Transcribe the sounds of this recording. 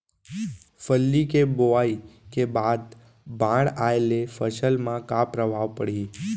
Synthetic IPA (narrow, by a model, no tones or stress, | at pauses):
fəlːikeboaikebad̪ | bãɽaelefəʃəlmãkapɾəbʱaʋpəɽi